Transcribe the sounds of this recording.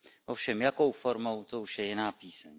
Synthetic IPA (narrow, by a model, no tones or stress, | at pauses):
ʔofʃɛmjako̞wfo̞ɾmo̞wt̪ouʃjɛjɪnaːpiːsɛɲ